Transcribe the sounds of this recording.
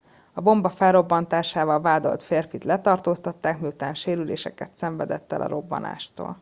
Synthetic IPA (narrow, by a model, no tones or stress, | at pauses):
ɒbo̞mbɒfɛlro̞bːɒnt̪aːʃaːvɒlvaːd̪o̞̰lt̪feːrfit̪lɛt̪ɒrt̪oːst̪ɒt̪ːaːkmiut̪aːnʃeːɾylḛːʃɛkɛt̪sɛɱvɛd̪ɛt̪ːɛ̰lʔɒ̰ɾo̞bːɒ̰na̰ːʃt̪o̰ːl